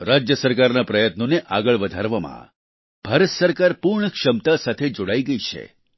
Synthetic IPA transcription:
ɾad͡ʒjəsəɾkaɾnapɾəjət̪noneʔaɡəɭʋəd̪ʱaɾʋamã̰ | b̥ʱaɾət̪səɾkaɾpuɾɳəkʂəmt̪asat̪ʰed͡ʒoɽaiɡəit͡ʃʰḛ

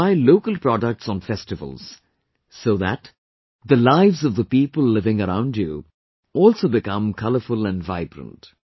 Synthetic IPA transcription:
aɪloʊkəlˠpɾɔɖək̚ʈsɔ̃n̩fɛstɨvə̰l̩ˠz̥ | soʊðæ̰t | ðəlaɪvzʌvðəpiːpəlˠlɪvɪ̃ŋəɾã̰ʊ̃ndju | ɔːlˠsoʊbɪkʌ̃mkʰʌləfʊlæ̃nvaɪbɾə̰̃nt

